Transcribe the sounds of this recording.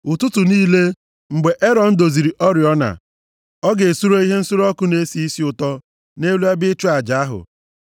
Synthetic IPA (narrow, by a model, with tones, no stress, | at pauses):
ʊ˨tu˦tu˨niː˦le˦ | ŋ͡m̩˨ɡ͡be˨ʔe˦ɾɔ˨n̩˦do˨zi˨ɾi˨ʔɔ˦ɾɪ˨ɔ˦na̰˨ | ɔ˦ɡe˨su˦ɾo˦i˦ɦe˦n̩˦su˦ɾɔ˦kʊ˦ne˦si˦i˦si˦ʊ˨tɔ˦ | ne˦lu˦a˦bɪ˦t͡ʃu˦a˨d͡ʒa˨a˦ɦʊ̰˨